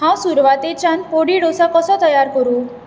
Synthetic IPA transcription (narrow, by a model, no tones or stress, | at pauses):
ɦãwsuɾʋat̪et͡ʃanpoɽiɽosakɔsɔt̪ɔjaɾkɔɾu